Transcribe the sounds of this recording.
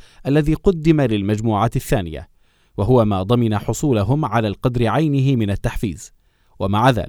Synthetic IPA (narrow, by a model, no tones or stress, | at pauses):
ʔalːaðiːqʊd̪ːɪmalɪlmad͡ʒmuːʕaːt̪ɪθːaːnɪja̰ | waɦʊwamaːd̪ˤɑmɪnaħʊsˤuːlaɦʊmʕalaːlqɑd̪ɾɪʕajnɪɦɪmɪnat̪ːaħfḭːz | wamaʕaða̰ːlɪk